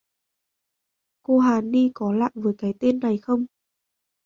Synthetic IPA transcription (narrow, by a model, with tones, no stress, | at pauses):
ko˧ɦaː˨˩ni˧kɔ˨˦la̰ː˧˨jvəː˨˦jkaː˨˦jt̪e˧nːa˨˩jxə˧wŋ͡m